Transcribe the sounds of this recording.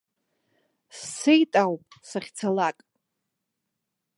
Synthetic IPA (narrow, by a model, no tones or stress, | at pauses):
sːejtʼawpʼsaχʲt͡sʰalakʼ